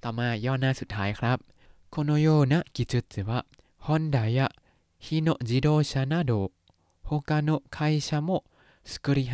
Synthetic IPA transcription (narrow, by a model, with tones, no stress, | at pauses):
t̪a˨˩maː˧jɔː˧˨naː˧˨su˨˩t̪̚ʰːaː˦˥jkʰɾa˦˥p̚ | kʰo˧no˧joː˧na˧˥ʔki˨t͡ɕɯ˧t̪̚t͡sɯ˨˩wa˧ʔ | hɔ˧˥˨nda˨˦ja˧ʔ | hi˧no˧ʔd͡ʒi˨˦doː˧ɕa˧na˧˨doː˨ | ho˧ka˧no˧ʔkʰa˧jsa˧mo˧˨ʔ | skɯ˧ɾi˧ɦ